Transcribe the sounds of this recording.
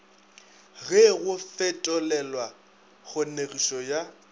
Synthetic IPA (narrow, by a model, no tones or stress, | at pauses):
ɣɛɣʊfɛtʼɔlɛlwa | ɣʊneɣiʃɔja